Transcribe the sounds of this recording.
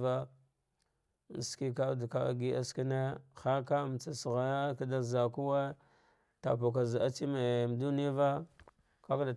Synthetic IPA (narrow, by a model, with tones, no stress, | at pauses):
va˦ | n˨ski˦ka˦˨dka̰˦ɡi˦ʔa̰˦ski˦ne˦xa˦ka˦m˨t͡sa˨sɣa˨ja˦ka˦da˦za˨ku˦we˦ | ta̰˨po˨k̬a˨za˨a˦t͡ʃi˦me˨m˨du˦ni˦a˦va˦ | ka˦kda˨